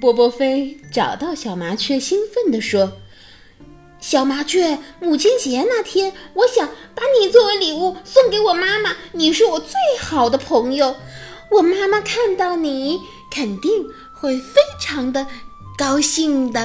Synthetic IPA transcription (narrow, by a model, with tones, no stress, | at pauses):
pwɔ˥pwɔ˥fe˥ɪʈ͡ʂɑ˨˩ʊt̪ɑ˥˩ʊɕjɑ˨˩ʊma˧˥t͡ɕʰɥɛ˥˧ɕi˥nfə˥˩nd̪ə˩ʂwɔ˥ | ɕjɑ˨˩ʊma˧˥t͡ɕʰɥɛ˥˩mu˨˩t͡ɕʰi˥nt͡ɕɛ˧˥na˥˩t̪ʰjɛ˥nwɔ˧˥ɕjɑ˨˥ŋpa˧˥ni˨˩t͡swɔ˥˩we˧˥ɪli˨˩u˥˩sʊ˥˩ŋke˧˥ɪwɔ˨˩ma˥mə˨ni˨˩ʂ̬ɻ̩˥˩wɔ˨˩t͡swe˥˩ɪxɑ˨˩ʊd̪ə˦pʰɤ˧˥ŋjo˧ʊ | wɔ˨˩ma˥ma˨kʰa˥˧nt̪ɑ˥˩ʊni˨˩˦ | kʰə˨˩nt̪i˥˩˧ŋ | xwe˥˩ɪfe˥ɪʈ͡ʂʰɑ˧˥ŋd̪ə˧kɑ˥ʊɕi˥˩ŋd̪ə˩